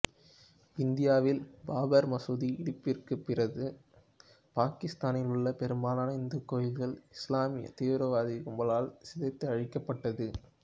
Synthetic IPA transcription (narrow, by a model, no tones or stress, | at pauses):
ɪnd̪ɪjaːʋɪlbaːbɐɾmɐsuðiɪɽɪpːɪrkɯpːɪrɐðɯ | paːkɪst̪aːnɪlɯɭːɐpɛɾɯmbaːnɐnɐɪnd̪ɯkoːjɪlɣɐɭɪslaːmɪjɐ̰t̪eːʋɾɐʋaːðɪkʊmbɐlaːlsɪðɐɪt̪ːɐɪɐɻɪkːɐpːɐʈːɐðɯ